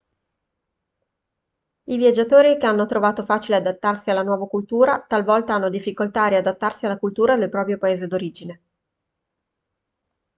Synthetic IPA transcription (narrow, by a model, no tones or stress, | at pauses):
ivjad͡ʒːat̪oːɾikeanːot̪ɾovaːt̪ofaːt͡ʃilead̪at̪ːarsialːanwɔːvakult̪uːɾat̪alvɔlt̪aanːod̪ifːikolt̪aɾiad̪at̪ːarsialːakult̪uːɾad̪elpɾɔːpɾjopaeːzed̪oɾiːd͡ʒine